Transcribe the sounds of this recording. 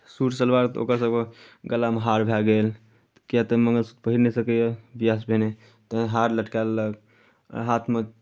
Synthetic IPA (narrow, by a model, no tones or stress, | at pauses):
suɾsəlbaɾt̪o̰kəɾsəbɡəlameɦaɾbʱaɡel | t̪kijat̪əməŋɡəlsu̥t̪̚pəɦiɾnesəkəjəbijas̬bʱene | t̪əɦaɾləʈkalːək | ɦat̪ʰme